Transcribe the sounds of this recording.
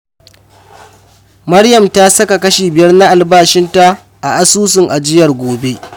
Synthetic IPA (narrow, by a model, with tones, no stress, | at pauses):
mɐ˦ɽjɐ˨mta˦sɐ˦ka˨kɐ˦ʃeː˨bɪ˨jɐ˦rna˦ʔa˨lbaː˦ʃɪ˦nta˦ | ʔa̰˨ʔa˦suː˦s̬ɪ˨ŋʔa˨d͡ʒɪ˦jɐ˨rɡʷoː˨be˦ʔ